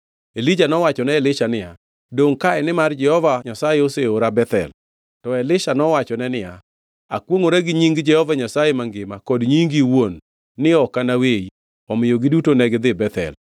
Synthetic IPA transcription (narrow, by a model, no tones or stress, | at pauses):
elid͡ʒanɔwat͡ʃɔnɛɛlɪʃanɪja | doŋkaɛnɪmard͡ʒɛhɔvaɲasajeoseoɾabɛt̪ɛ̰l | tɔɛlɪʃanɔwat͡ʃɔnɛnɪja | a̰kwoŋoɾaɡɪɲiŋɡd͡ʒɛhɔvaɲasajemaŋɡɪmakɔdɲiŋɡiwonː | ɪɔkanawei | ɔmɪjoɡɪdutonɛɡd̪ɪbɛt̪ɛ̰l